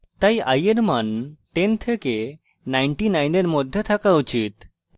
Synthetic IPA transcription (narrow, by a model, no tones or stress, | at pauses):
t̪ajʔajeɾmanʈent̪ʰeke | najɳʈinajneɾmɔd̪ʱjət̪ʰakaut͡ɕit̪